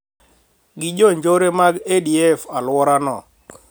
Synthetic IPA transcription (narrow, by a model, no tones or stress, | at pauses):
ɡɪd͡ʒoɲd͡ʒoɾemaɡediɛfalwɔɾanɔ̰